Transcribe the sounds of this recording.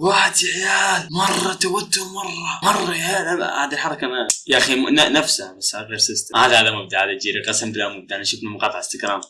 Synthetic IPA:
waːħɪd̪ʕjaːlmɑrˤːɑt̪awat̪ːʊmɑrˤːɑmɑrˤːɑaːlaa̰ʕd̪ɪlħɑɾˤɑkanajaʔximnanafsabasːaklaɾsɪst̪amhaːðaaːðamʊb̚d̪aʕaːðad͡ʒiːɾiqɑsamblamʊb̚d̪aʔnaʃʊfnamʊqɑːt̪ˤɑʕɪst̪ɪkɾɑːm

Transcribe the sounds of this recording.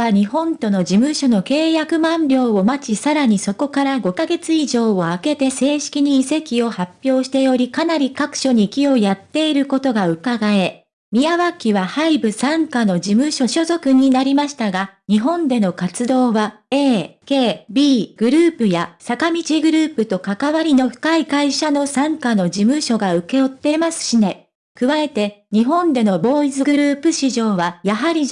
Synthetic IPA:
aɲ̟iɦõ̞nt̪o̞no̞d͡ʑimɯ̟ɕo̞no̞ke̞ːjakɯ̟mãmbʲjo̞ːomat͡ɕisaɾaɲ̟iso̞ko̞kaɾaɡo̞kaɡe̞t͡sɨiʑo̞ːoake̞t̪e̞se̞ːɕi̥kʲiɲ̟iːse̞kʲio̞hapʲːjo̞ːɕi̥t̪e̞jo̞ɾʲikanaɾʲikakɯ̟̥ɕo̞ɲ̟ikʲio̞jat̪ːe̞iɾɯ̟ko̞t̪o̞ɡaɯ̟kaɡae̞ | mʲiaβakʲiβahaibɯ̟sãŋkano̞d͡ʑimɯ̟ɕo̞ɕo̞zo̞kɯ̟ɲ̟inaɾʲimaɕi̥t̪aɡaɲ̟iɦõ̞nd̪e̞no̞kat͡sɨd̪o̞ːβa | e̞ːke̞ːbʲiːɡ̥ɯ̟ɾɯ̟ːpɯ̟jasakamʲit͡ɕiɡɯ̟ɾɯ̟ːpɯ̟t̪o̞kakaβaɾʲino̞ɸɯ̟̥kaikaiɕano̞sãŋkano̞d͡ʑimɯ̟ɕo̞ɡaɯ̟ke̞ot̪ːe̞masɨ̥ɕine̞ | kɯ̟βae̞t̪e̞ɲ̟iɦõ̞nd̪e̞no̞bo̞ːizɨɡɯɾɯ̟ːpɯ̟ɕiʑo̞ːβajaɦaɾʲi

